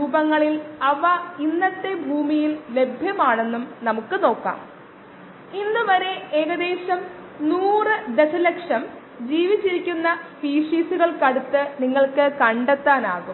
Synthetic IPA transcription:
ɾuːbɐŋːɐɭilɐʋɐinːɐt̪ːe̞bʱuːmijille̞bʱjɐmaːɳe̞nːumnɐmukːɨno̞ːkːa̰ːm | inːɨʋɐɾe̞eːɣɐd̪e̞ːɕɐm | nuːrɨd̪e̞sɐle̞kʂɐm | d͡ʑiːʋit͡ɕːiɾikʲːunːɐfiːʂiːsuɣɐɭkɐɽut̪ːɨniŋːɐɭkɨkɐɳɖet̪ːaːnaːɣum

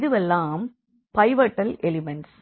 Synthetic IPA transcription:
ðɯʋɛlːaːm | pɐɪʋɐʈːɐlʔɛlɪmɛɳʈs

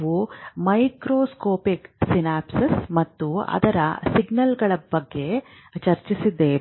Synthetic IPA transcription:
ʋumɐjkɾoːskoːpiksinaːpsismɐt̪ːuɐ̰d̪ɐɾɐ̰siɡnɐlɡɐɭɐbɐɡːe̞ | t͡ʃɐɾt͡ʃisid̪ːe

